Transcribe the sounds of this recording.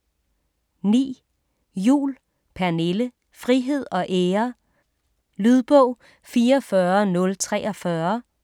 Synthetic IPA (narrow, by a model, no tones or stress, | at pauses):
nḭː | jṵːl | pʰæɐne̝lə | fʁiɦe̝ð̞̰ˠɒ̽ʔeːɐ | lyð̞ˠb̥ɔʊ̰ | fiːɐɐfɶɐnɔ̽lt͡sʰʁɛ̰ːʔɒ̽fɶɐ